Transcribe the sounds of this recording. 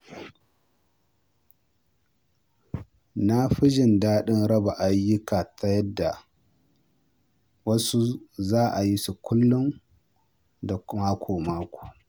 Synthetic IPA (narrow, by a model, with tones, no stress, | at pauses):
na˦ɸi˦d͡ʒɪ˨ndaː˦ɗɪ˦nɾɐ˦ba˨ʔa˨jːʊ˦ka˨tʰa˦jɐ˦dːa˨ | wɐ˦su˦zaː˦ʔa˨ji˦su˨kʷʊ˦lːʊ˦n | da˨˦maː˦kʷʰoː˨maː˦kʷo̥ː˨